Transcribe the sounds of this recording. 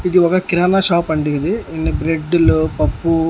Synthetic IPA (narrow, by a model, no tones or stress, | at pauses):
id̪iʋaːɡɐkiɾaːnɐʃaːpɐɳɖiɡid̪iinːibɾeɖːɐlupɐpːu